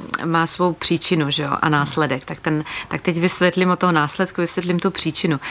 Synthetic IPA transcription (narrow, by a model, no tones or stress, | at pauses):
maːsvo̞wpr̥iːt͡ʃɪnuʒɛo̰ʔa̰naːslɛdɛkt̪ak̚t̪ɛnt̪ak̚t̪ɛcvɪsvʲjɛt̪lɪmot̪ːoɦonaːslɛt̪kuvɪsvjɛt̪lɪmt̪upr̝̥iːt͡ʃɪnu